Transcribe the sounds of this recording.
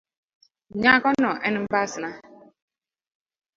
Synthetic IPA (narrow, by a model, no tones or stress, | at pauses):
ɲakɔnɔʔɛnm̩basɪna